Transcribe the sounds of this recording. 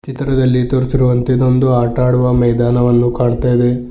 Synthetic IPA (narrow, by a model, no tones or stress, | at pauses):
t͡ʃit̪ɾɐd̪ɐlːit̪oːɾsiɾuʋɐnt̪ed̪ond̪uaːʈaːɽuʋɐmɛjd̪aːnɐʋɐnːukaːɳt̪aːjid̪e